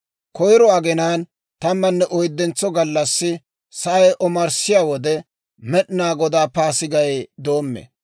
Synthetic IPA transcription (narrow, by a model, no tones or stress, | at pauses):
kɔjɾɔɐɡɛnaːn | t̪ɐmːɐnːɛʔɔjd̪ːɛnt͡sːɔɡɐlːɐsːɪ | sɐɐjʔɔmɐɾsɪjaːwɔd̪ɛ | mɛɗɪnaːɡɔd̪aːpaːsɪɡɐjd̪o̞ːmːḛ